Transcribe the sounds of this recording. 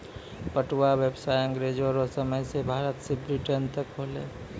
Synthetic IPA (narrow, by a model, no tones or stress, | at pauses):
pəʈwawebsajəŋɡɾed͡ʒɔɾosəməjsebʱaɾət̪sebɾiʈənt̪əkɦolḛ